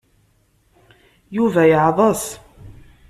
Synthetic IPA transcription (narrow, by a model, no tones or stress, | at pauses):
juvæjəʕðˤəs